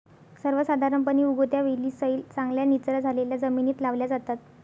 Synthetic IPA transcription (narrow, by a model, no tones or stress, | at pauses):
səɾʋəsəd̪ʱaɾəmpəniːuɡot̪jaʋeliːsəiːlt͡saŋɡljanit͡sɾad͡zʱaleljad͡zəminiːt̪laʋljad͡zat̪at̪